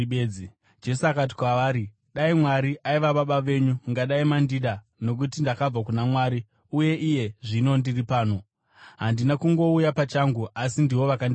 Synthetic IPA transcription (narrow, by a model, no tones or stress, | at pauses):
ei | d͡ʒe̞suakat̬i̥kwaʋaːɾi | ɗaimwaɾiʔaiʋaɓaɓaʋe̞ɲuŋɡaɗaimandiɗa | no̞k̬ut̬indakab͡vakunamwaɾi | uje̞ʔije̞ʐino̞ndiripaːno̞ | ɦandinakuŋɡo̞ujapat͡ʃaŋɡuʔasindiʋo̞ʋakand